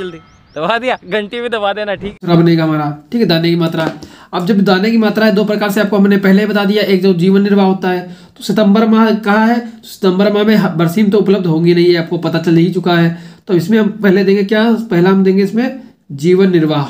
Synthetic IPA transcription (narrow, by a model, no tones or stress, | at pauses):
d͡ʒəld̪i | d̪̥ɐbad̪ijaːɡɐɳʈibʱid̪ɐbad̪eːnaʈʰiːkɾɐbnɐĩkaɦɐmaːɾaʈʰiːkɛd̪aːnekimaːt̪ɾaɦɛɐb̚d͡ʒɐbd̪aːnek̬imaːt̪ɾaɦɛd̪oːpɾɐkaːɾseaːp̚koɦɐmnepɛɦleɦibɐt̪ad̪ijaʔeːk̚d͡ʒoːd͡ʒiːʋənːɪɾʋaːɦoːt̪aɦɛːt̪osɪt̪ə̃mbəɾmãkɐɦaɦɛt̪osɪ̥t̪ə̃mbəɾmãmẽɦbɐɾsiːmt̪oʊpləb̚d̪ʱɦõːɡinɐɦĩɛaːp̚kopɐt̪at͡ʃɐlɐɦĩt͡ʃʊkaɦɛːt̪oɐbɪsmẽɦɐmpɛɦled̪ẽːŋɡekjaːpɛɦlaɦɐmd̪ẽːŋɡeɪsmẽ | d͡ʒiːʋənːɪɾʋaːɦ